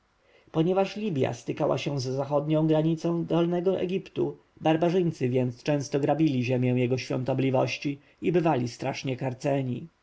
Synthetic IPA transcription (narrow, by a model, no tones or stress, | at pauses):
pɔɲɛvaʂlʲibʲja̰st̪ɘkawa̰ɕɛ̃zːaxɔd̪ɲɔ̃w̃ɡɾaɲit̪sɔ̃w̃d̪ɔlnɛɡɔʔɛ̰ɡʲipt̪u | baɾbaʐɘj̃nt̪sɘvʲjɛnt̪st͡ʂɛ̃w̃st̪ɔɡɾabʲilʲiʑɛmʲjɛw̃jɛɡɔɕfʲjɔ̰̃nt̪ɔblʲivɔɕt͡ɕi | ibɘvalʲist̪ɾaʂɲɛkaɾt̪sɛɲḭ